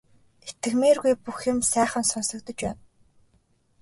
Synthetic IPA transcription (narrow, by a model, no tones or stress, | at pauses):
et̪ɘ̆xmeːrɣujpuxʊ̆msæːχə̆nsɔnsɞ̆k̚t̪ə̆t͡ɕpæ̰ːn